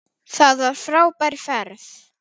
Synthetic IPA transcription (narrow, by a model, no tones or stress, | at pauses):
θaðvaɾ̥fɾaːwpajɾfɛɾθ